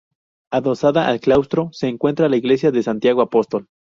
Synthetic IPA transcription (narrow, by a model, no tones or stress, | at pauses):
aðo̞saðaʔalklawst̪ɾo̞se̞ːŋkwe̞nt̪ɾalaiɣle̞s̬jaðe̞sant̪jaɣ̞oapo̞st̪o̞l